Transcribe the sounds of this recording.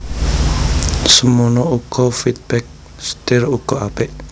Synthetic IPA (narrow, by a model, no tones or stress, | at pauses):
səmunɔukɔfit̪̚bɛk̚ | st̪ɪrukɔapɪʔ